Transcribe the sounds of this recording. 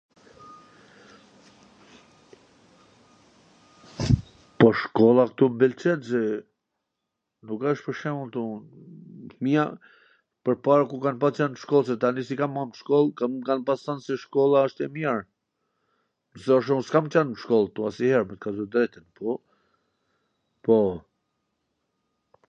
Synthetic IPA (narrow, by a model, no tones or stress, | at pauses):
pɔʃkɔlˠakt̪umbilt͡ʃɛt̪sɛ | nukəʃt̪pəɾʃɛmunt̪un | mia | pəɾpaɾakukanpat͡ʃanʃkɔlˠs̬ɛt̪anisikamːant̪ʃkɔlˠkakanpastansɛʃkɔlˠaəʃt̪ɛmjɛɾ | sɛɔʃ̬ɔskamt͡ʃanʃkɔlˠt̪uasihɛɾmɛt̪kazɔd̪ɾɛt̪inpɔ | pɔ